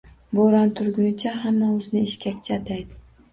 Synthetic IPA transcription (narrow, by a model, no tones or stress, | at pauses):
boɾant̪ʰʊɾɡʲʊnɪt͡ʃʰaɦamːaʊznɪeʃkʲakʲt͡ʃʰat̪ʰajd̪ɪ